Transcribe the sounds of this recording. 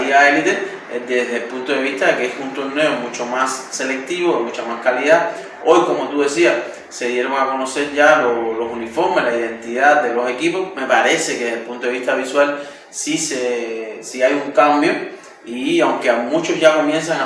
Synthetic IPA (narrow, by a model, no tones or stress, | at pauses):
iaelit̪e | d̪e̞zðelpunt̪o̞ðeβiht̪akeesunt̪oɾne̞o̞mũt͡ʃo̞masse̞le̞k̚t̪iβo̞imut͡ʃamaskaliða | o̞jko̞mo̞t̪uðe̞sias | se̞ðjeɾo̞ŋako̞no̞se̞ɾʝalolo̞sunifo̞ɾmeslaiðẽ̞nt̪iðad̪e̞lo̞se̞kipo̞sme̞paɾe̞se̞keðelpunt̪oeiht̪aβiswal | sisesiajuŋkambjo̞ | iawŋkeamũt͡ʃo̞sʝako̞mjẽ̞ns̬aŋ